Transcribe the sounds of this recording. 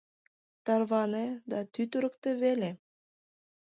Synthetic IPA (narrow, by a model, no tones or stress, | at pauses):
t̪ɑrβɑned̪ɑt̪yt̪əɾəkt̪eβele